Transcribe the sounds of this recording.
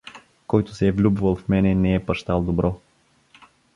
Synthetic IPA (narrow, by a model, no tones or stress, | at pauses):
kɔjt̪ʊ̥sɛːvlʲubvəlˠfmɛnɛnɛɛpɐʃt̪alˠd̪obɾɔ